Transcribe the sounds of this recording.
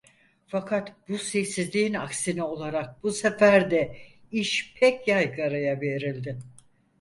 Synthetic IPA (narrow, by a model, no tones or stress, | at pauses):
fakʰat̪b̥usɛjsizlʲiina̰ksinio̞lˠaɾak̚busefæɾd̪ɛ | iʃpʰɛcjajɡaɾajave̞ɾilʲd̪ɪ